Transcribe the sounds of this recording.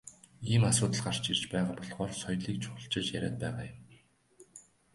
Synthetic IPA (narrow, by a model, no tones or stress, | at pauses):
iːmasʊːt̪ə̆ɮɢar̥t͡ɕirt͡ɕpæːʁaːpɔɮʁ̥ɔːrsɔjɮiːk̚t͡ɕʰʊ̥xɞ̥̆ɬt͡ɕɪ̆t͡ɕjæ̰ɾʲa̰ːt̪̚pæːʁaːjʊm